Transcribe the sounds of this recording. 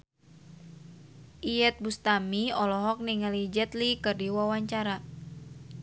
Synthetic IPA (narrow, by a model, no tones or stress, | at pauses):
ʔijɛt̪̚bust̪amiɔlɔɦɔk̚niŋalid͡ʒɛt̪likɨrdiwawaɲt͡ʃaɾa